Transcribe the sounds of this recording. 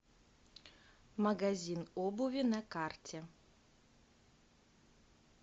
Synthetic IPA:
mɐɡazʲinobʊvʲɪnɐkartʲe

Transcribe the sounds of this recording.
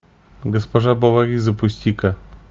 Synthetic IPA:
ɡəspɐʐabɐvaɾʲizəpʊsʲt̪ʲikɐ

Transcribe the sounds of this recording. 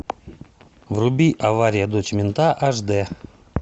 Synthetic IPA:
vrubʲiʔavaɾʲɪjəd̪ot͡ʃmʲɪnt̪aʔaʐd̪ɛ

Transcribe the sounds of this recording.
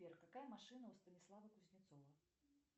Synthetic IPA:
ɛrk̪akajɐmaʂɨnɐwst̪ɐnʲislˠavɐkuzʲnʲit̪sɔvɐ

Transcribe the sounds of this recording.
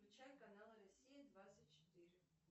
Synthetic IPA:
lʲʊt͡ɕajʲkɐnalˠrɐsʲijəd̪vat̪sɨtʲt͡ɕɪ̥t̪ɨɾʲɪ

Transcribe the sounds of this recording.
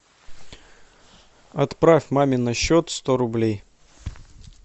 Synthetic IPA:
ɐt̪pɾafʲmamʲɪnɐɕːot̪st̪o̞ɾʊblʲej

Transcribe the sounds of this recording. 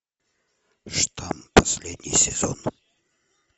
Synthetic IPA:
ʂt̪ʰampɐsʲlʲed̪ʲnʲɪ̰jsʲɪz̥o̰n

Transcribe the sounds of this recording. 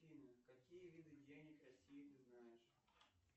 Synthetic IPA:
inʲɐkɐkʲijəvʲid̪ɨdʲenʲɪkɾɐsʲijɪt̪ɨznajɪʂ

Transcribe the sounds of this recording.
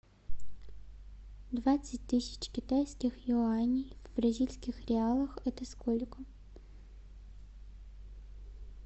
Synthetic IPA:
d̪ʋat̪sʲɐt̚ʲt̪ɪsʲɐ̥t͡ɕkʲɪt̪ajsʲkʲɪxjʊanʲijvbrɐzʲilʲsʲkʲɪxɾʲɪalˠɐxɛt̪ɐskɔlʲɪkɔm

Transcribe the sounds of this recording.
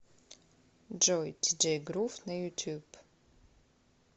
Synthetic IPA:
d͡ʒojtʰid͡ʒejɡɾufnɐjutʰub

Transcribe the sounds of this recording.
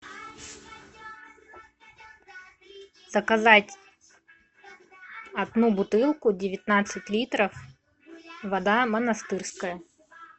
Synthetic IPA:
zəkɐzatʲ | ɐd̪nubʊt̪ɨlˠkʊdʲɪvʲɪt̪nat̪sɨtʲlʲit̪ɾəf | vɐd̪amənɐst̪ɨrskəjə

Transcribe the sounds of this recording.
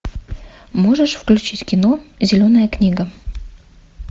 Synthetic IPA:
moʐəʂfklʲʉt͡ɕitʲkʲinozʲɪlʲonəjəknʲiɡə

